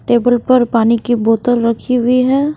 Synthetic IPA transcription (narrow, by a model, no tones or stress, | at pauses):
ʈeːbəlpɐɾpaːnikiboːt̪əlɾɐkʰiɦʊiɦɛː